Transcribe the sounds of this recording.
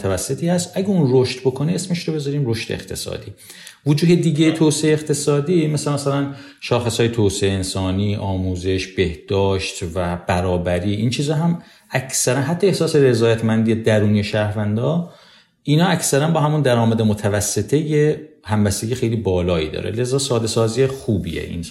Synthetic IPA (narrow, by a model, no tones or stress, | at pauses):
t̪ʰævæsːe̞t̪ʰiːhæst̪ʔæɟeunroʃt̪bo̞kʰoneesmeʃɾobezɒːɾiːmɾo̞ʃt̪ḛext̪ʰe̞̰sɒ̰ːd̪ḭː | vod͡ʒuːd̪ed̪iːɟejt̪ʰoːseʔeeqt̪ʰe̞sɒːd̪iːmæsælmæsælæn | ʃɒːxesɒːjet̪ʰoːseeːnsɒːniːʔɒːmuːze̞ʃb̥e̞hd̪̥ɒːʃt̪væbæɾɒːbæɾiːʔint͡ʃʰiːzɒːɦæm | æcʰsæɾænɦæt̪ʰːɒe̞hsɒːse̞ɾe̞zɒːjæt̪ʰmænd̪ijed̪æɾuːniːeʃæːɾvænd̪ɒː | iːnɒːæcʰsæɾænbɒːhæmund̪æɾɒːmæd̪emot̪ʰævæsːe̞t̪ʰe̞jehæmbæst̪eɟiːexejliːbɒːlɒːḭd̪ɒ̰ːɾḛle̞zɒːsɒːd̪e̞sɒːzijexuːbḭḛʔḭn